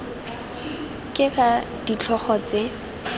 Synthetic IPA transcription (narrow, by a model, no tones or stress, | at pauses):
kʼɪχa | dit͡ɬʰɔχɔt͡se